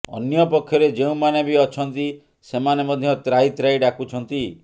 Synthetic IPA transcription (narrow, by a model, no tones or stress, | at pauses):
ɔ̰njɔpɔkʰːjɔɾed͡ʒeũmanebiɔt͡ʃʰɔnt̪i | semanemɔd̪ʱjɔt̪ɾajt̪ɾaijɖakut͡ʃʰɔnt̪i